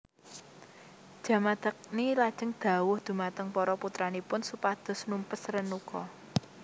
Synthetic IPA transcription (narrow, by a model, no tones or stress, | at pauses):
d̥ʒ̥ä̤mad̪̥a̤k̚nilad̥ʒ̥ə̤ŋd̪̥ä̤wʊhd̪̥ṳmat̪əŋpɔɾɔput̪ɾanipʊnsupahd̪̥ɔ̤snumpəsɾənukɔ